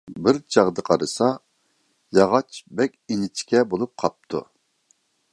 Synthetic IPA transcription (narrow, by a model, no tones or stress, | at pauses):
bɪɾt͡ʃʰɑʁd̪əqʰɑɾɨsɑ | jɑʁɑt͡ʃbɛkʲinɪt͡ʃʰkʲʰɛbolˠup̚qʰɑp̚t̪ʰṵ